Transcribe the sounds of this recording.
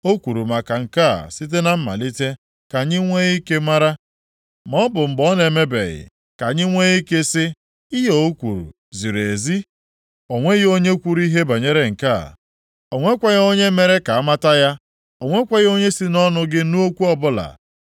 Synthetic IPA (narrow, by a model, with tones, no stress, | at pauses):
o˦kʷu˨ɾu˨ma˨ka˨ŋ̩˨ka˦˨si˦t̬e˦na˨m̩˦ma̰˨li˦te˦ | ka˨ɲɪ˦ŋʷe˦ɣi˦ke˦ma˦ɾa˦ | mɔ˦bʊ˨m̩˨bɔ˦n˨e˨me˦bḛ˨ɣɪ̰˨ | ka˨ɲɪ˦ŋʷe˦ɣi˦ke˦sɪ˦ | i˦ɦo˨o˦kʷu˨ɾṵ˨ | zi˨ɾe˨zi˦ | o˨ŋʷe˦ɣo˦ɲe˦kʷu˦ɾi˦ɦe˦ba˨ɲe˦ɾe˨ŋ̩˨ka̰˦˨ | o˨ŋʷe˦kʷa˦ɣo˦ɲe˦me˦ɾe˦ka˨a˦ma˦ta˦ja˦ | o˨ŋʷe˦kʷa˦ɣo˦ɲe˦si˦nɔ˦nʊ˦ɡɪ˦nu˦o˦kʷu˦ɔ˦bʊ˦la̰˨